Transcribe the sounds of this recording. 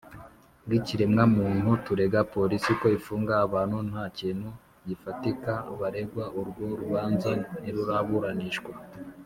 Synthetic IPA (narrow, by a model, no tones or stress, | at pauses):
ɡiciɾe̞mŋamuːn̥hutuɾe̞ɡapo̞ɾisiko̞ifuːŋɡaaβaːn̥hun̥haːcinhu | ɟifatikaβaɾe̞ɡwaʔuɾɡwoɾuβaːnzaniɾuɾaβuɾaniʃɡwa